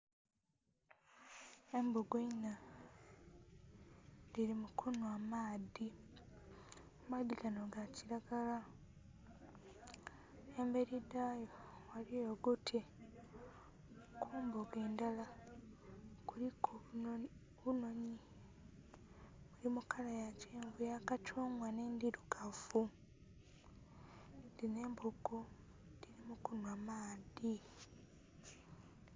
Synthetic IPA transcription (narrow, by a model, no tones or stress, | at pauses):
embuɡeina | diɾimukʰonowaːmaːði | umaːðikanoɡaciɾaɡala | embe̞ɾidajowalijoɡutʰe | kʰuːmboɡeːndala | kuɾikʰo | βuno̞ɲi | mulimukalajaceːɱvujakat͡ʃoːŋwane̞ndiɾuɡafu | ndine̞ːmbuɡo | ndiɾimukunwamaːdi